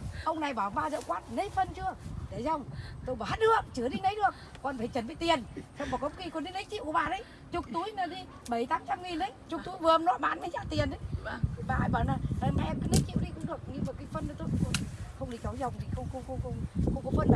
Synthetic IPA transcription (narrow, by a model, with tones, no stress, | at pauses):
ʔə˧wŋ͡mna˨˩jɓaː˧˩maː˧zə̰˧˨ŋ͡mkwaː˦˥t̚nə˨˦jfə˧nt͡ɕɨ˧əɗe˧˩zə˨˧˩wŋ͡mt̪o˧jɓaː˨˩ha˦˥ɗɨ˧˩ək̚t͡ɕɨ˨˧˩əɗi˧nə˨˦jɗɨ˨˩ək̚ːɔ˨˩nfaː˨˩jt͡ɕə˨˩nɓḭ˧˨t̪i˨˩ənsa˧wŋ͡mmɔː˨˩kɔ˨˦kxi˧˩kɔ˨˧˩nɗi˧nə˨˦˥t̚t͡ɕḭ˧˨wku˨˩˦ɓaː˨˩nə˨˦j | t͡ɕʊ˨˩k͡p̚t̪u˨˦əjnəː˨˩ɗi˧ | ɓə˨˩jt̪aː˨˦mt͡ɕa˧mŋi˨˩nɗə˨˦jt͡ɕʊ˨˩k̚t̪u˨˦jvɨ˨˩˨ʔə˧mnwa̰ː˧˨ɓaː˧˨nmə˨˦zaː˧˩t̪i˨˩ənʔə˨˦jʰi˨˩ɓaː˨a˨˩jɓaː˨˩naː˨˩la˨˩ma˧˨kːnə˨˦t͡ɕḭ˧˨wɗi˧kʊ̰˧˥ŋ͡mɗɨ˨˩ək̚ɲɨ˧maː˨˩kaː˨˦jfə˧nːa˨˦t̪o˧jkko˧˩˨xə˧wŋ͡mɗi˧˩t͡ɕɔ˨˦zə˨˩wŋ͡mi˨˩xə˧wŋ͡mxə˧wŋ͡mxə˧wŋ͡mxə˧wŋ͡mxə˧wŋ͡mkɔ˨˦fə˧na˨˧˨